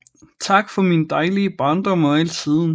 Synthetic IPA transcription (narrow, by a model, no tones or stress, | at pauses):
t͡sʰɑ̈ɡ̥fɒ̽minəd̥ɑ̈ɪliəb̥ʁɑ̈nd̥ɒ̽mɒel̰siðˠn̩